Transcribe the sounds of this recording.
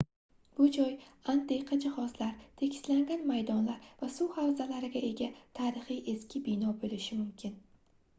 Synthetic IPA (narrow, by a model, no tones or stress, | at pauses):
b̥ʊd͡ʒɒjand̪eqʰɑd͡ʒɪhɒzlaɾt̪ʰe̞kʲʰɪ̥slaŋɡʲanmajd̪ɒnlaɾvasʊwhawzalaɾɪɡʲae̞ɡʲat̪ʰaːɾɪχɨjʔe̞skʲɪbɪnɒbolɪʃɪmʊmkʲʰɪn